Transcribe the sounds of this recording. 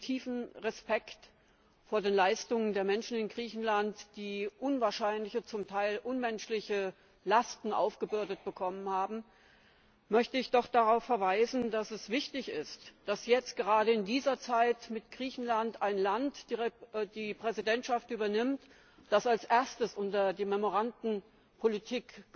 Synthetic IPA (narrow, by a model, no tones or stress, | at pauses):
tʰiːfn̩ʁɛspɛkt | foːɐdeːnlaɪstʊŋəndeːɐmɛnʃn̩ɪnɡʁiːçn̩lantd̥iːʔʊnvaːɐʃaɪnlɪçət͡sʊmtʰaɪlʔʊnmɛnʃlɪçə | lastn̩ʔa̰ʊfɡ̥əbʏɐdət̚b̥əkʰɔmənhaːbm̩ | mœçtəɪçd̥ɔχd̥aʁaʊfːɐvaɪzn̩dasɛsv̥ɪçtɪçɪstd̥asjɛt͡st̚ɡ̥əʁ̞aːɾəɪndiːzɐt͡saɪtmɪtɡ̥ʁiːçn̩lantaɪnlantː | d̥iːpʁ̥ɛzidɛntʃaftʔyːbɐnɪmt | d̥asalsʔeːɐstəsʔʊntɐdiːmɛmoʁ̞andn̩ | pʰolitʰiːk